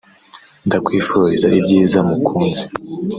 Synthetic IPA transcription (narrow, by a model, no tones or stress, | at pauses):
ndakwiːfuɾɾizaʔibɟiːzamukʰuːnzi̥